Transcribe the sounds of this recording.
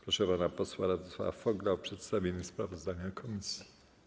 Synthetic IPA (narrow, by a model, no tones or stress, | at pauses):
pɾɔʂɛpanapɔswaɾad̪ɛswa̰fɔɡlawpʂɛt̪st̪avʲjeɲispɾavɔzd̪aɲakʰɔmʲisʲji